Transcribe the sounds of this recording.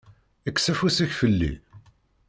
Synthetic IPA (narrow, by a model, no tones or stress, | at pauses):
əkːsæfusæçfəlːḭ